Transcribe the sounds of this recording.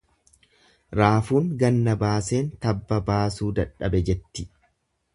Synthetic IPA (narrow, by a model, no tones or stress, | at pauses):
ɾaːfuːŋɡɐnːɐbaːse̞ːnt̪ɐbːɐbaːsuːd̪ɐᶑːɐbɛd͡ʒɛt̪ːɪ